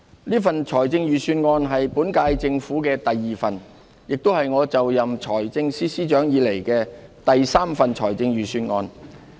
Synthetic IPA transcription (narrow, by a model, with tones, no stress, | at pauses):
liː˥fɐ˨nt͡ʃʰɔː˨˩jt͡sɪ˧ŋjyː˨syː˧nŋɔː˧nɦɐ˨jpuː˨˥nkaː˧jt͡sɪ˧ŋfuː˨˥kɛː˧t̪ɐ˨jːiː˨˩fɐ˨n | jɪ˨k̚t̪o˥whɐ˨jŋɔː˨˧t͡sɐ˨wjɐ˨mt͡ʃʰɔː˨˩jt͡sɪ˧ŋsiː˥siː˥t͡ʃœː˨˥ŋjiː˨˧le˨˩jkɛː˧t̪ɐ˨jsaː˥mfɐ˨nt͡ʃʰɔː˨˩jt͡sɪ˧ŋjyː˨syː˧nŋɔː˧n